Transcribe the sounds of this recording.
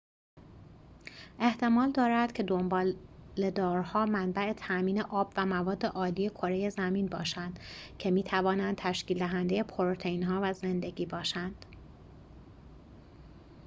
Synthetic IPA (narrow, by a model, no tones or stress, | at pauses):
ʔe̞ht̪ʰe̞mɒːld̪ɒːɾæd̪̥cʰe̞d̪ombɒːle̞d̪ɒːɾhɒːmænbæe̞t̪ʰæʔmiːne̞ʔɒːbvæmævɒːd̪ːe̞ʔɒːliːje̞kʰo̞ɾe̞je̞zæmiːnbɒːʃænd̪cʰe̞miːt̪ʰævɒːnænd̪̚t̪ʰæʃciːld̪æɦænd̪e̞je̞pʰoɾot̪ʰeinɦɒːvæze̞nd̪e̞ɟiːbɒːʃænd̪̥